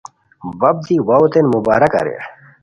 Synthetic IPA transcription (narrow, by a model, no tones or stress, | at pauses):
wɐb̚d̪iwawt̪enmuba̰ːɾɐkɐ̰ɾḛ